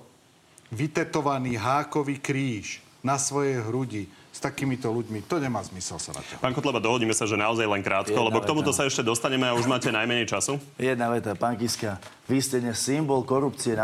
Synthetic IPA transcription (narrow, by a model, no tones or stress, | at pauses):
ʋit̪ɛt̪ɔʋaniːɦaːkɔʋiːkɾiːʃ | nasʋɔjɛjɦɾuɟist̪akiːmit̪ɔluɟmit̪ɔɲɛmaːzmisɛ̰lsa̰na̰t̪ɔpaːŋkɔt̪lɛbad̪ɔɦɔɟiːmɛsaʒɛnaɔzajlɛŋkɾaːt̪kɔlɛbɔkt̪ɔmut̪ɔsaɛʃcɛd̪ɔst̪aɲɛmɛauʒmaːcɛnajmɛɲɛjt͡ʃasu | jɛd̪̚naʋɛt̪apaŋkiska | ʋiscɛdɲɛsːimbɔlkɔɾupt͡siɛna